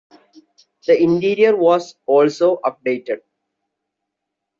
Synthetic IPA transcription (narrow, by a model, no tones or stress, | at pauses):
d̪əɪ̃ɳʈiːɾiəɾʋɔːzɔːlsoːʔʌp̚ɖeːʈeɖ̚